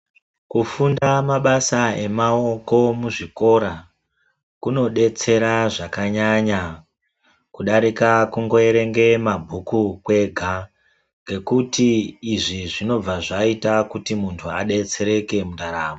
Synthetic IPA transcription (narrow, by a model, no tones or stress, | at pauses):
kufundamaɓasae̞mao̞ko̞muʐiko̞ɾa | kuno̞ɗe̞t͡se̞ɾaʐakaɲaɲa | kuɗaɾikakuŋɡo̞e̞ɾe̞ŋɡe̞mabʱukukwe̞ɡʱa | ŋɡe̞kutiːʐiʐino̞b͡vaʐaitakutimuntʰuaɗe̞t͡se̞ɾe̞ke̞muɗaɾaːmo